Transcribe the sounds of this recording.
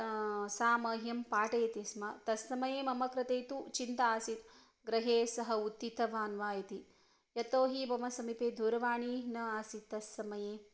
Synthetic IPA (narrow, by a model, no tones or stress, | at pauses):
saːmɐɦjɐmpaːʈɐjɐt̪ismɐt̪ɐsːɐmɐjeːmɐmɐkɾɐt̪eːt̪ut͡ʃint̪ɐaːsit̪ | ɡɾɐɦeːsɐɦɐut̪ːit̪ɐʋaːnʋaːjɐt̪i | jɐt̪oːɦibɐmɐsɐmipeːd̪ʱuɾɐʋaːɳinɐaːsit̪ːɐsːɐmɐjeː